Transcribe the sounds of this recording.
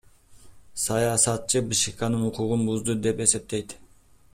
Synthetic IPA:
sɑjɑsɑt̪̚t͡ʃʰɨbɨʃikɑnɨnuqʰuʁʊnbuzd̪ɨd̪e̞pe̞se̞p̚t̪e̞jd̪

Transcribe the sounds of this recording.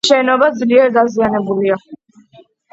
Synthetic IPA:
ʃɛːnɔbazliɛɾd̪azianɛbulia

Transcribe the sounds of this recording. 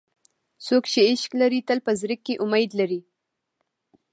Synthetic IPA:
sokʃeɪʃklaɾit̪əlpəzɾɪkːeʔʊmajd̪laɾi

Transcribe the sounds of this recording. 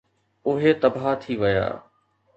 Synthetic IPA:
ʊɦet̪ɐbat̪ʰiʋɐja̰ː

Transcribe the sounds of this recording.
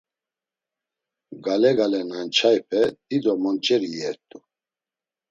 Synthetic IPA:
ɡalɛɡalɛnant͡ʃʰajpʰɛd̪̥id̪ɔmɔnt͡ʃʼɛɾijɛɾt̪ʼu

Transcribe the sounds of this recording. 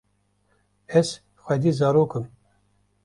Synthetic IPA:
ɛz | xʷɛd̪iːzɑːɾoːkɨm

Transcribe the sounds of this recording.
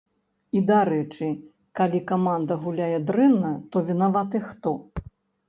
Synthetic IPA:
id̪aɾɛt͡ʂɨ | kalʲikamand̪ɐɣulʲajɛd̪ɾɛnːɐt̪ɔvʲinavat̪ɨxt̪ɔ

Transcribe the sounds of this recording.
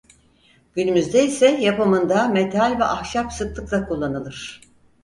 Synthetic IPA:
ɟ̥ynymyzd̪ɛisɛjapɯmɯnd̪amet̪ʰalʲvɛʔahʃapsɯklˠɯklˠakʰulˠːanɯlˠɯɾ̥

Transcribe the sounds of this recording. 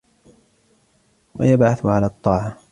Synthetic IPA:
wa̰jabʕaθʊʕalaːt̪ˤːɑːʕa

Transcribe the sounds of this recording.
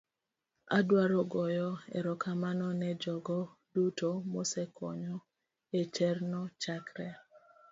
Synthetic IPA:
a̰dwaɾɔɡɔjɔḛɾɔkamanɔnɛd͡ʒɔɡɔ | dutomosɛkʰɔɲɔ | et͡ʃɛrnɔt͡ʃakɾɛ

